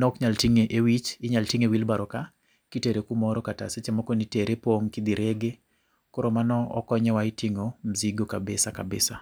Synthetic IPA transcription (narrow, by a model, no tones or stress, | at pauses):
nɔkɲaltiŋeʔewit͡ʃɪɲaltiŋewilbaɾɔka | kiteɾekumɔɾɔkata̰set͡ʃɛmɔkɔniteɾʔepwoŋkid̪iɾeɡe | koɾomanɔɔ̰kɔɲɛwaitiŋom̩ziɡokabesakabḛsa